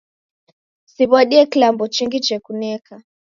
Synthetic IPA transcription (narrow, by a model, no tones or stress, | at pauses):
siβwaɗiɛkilambɔt͡ʃiŋɡit͡ʃɛkunɛka